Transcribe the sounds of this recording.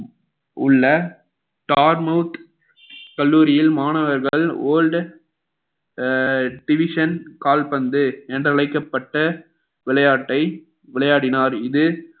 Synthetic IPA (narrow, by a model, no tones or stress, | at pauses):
ʊɭːɐ | ʈaːɾmɐʊt̪ | kɐɭːuːɾɪjɪlmaːnɐʋɐɾɣɐɭoːlɖ | ɖɪʋɪʂɐnkaːlpɐnd̪ɯɛndrɐɭɐɪkːɐpːɐʈːɐ | ʋɪɭɐjaːʈːɐɪ | ʋɪɭɐjaːɽɪnaːɾɪðɯ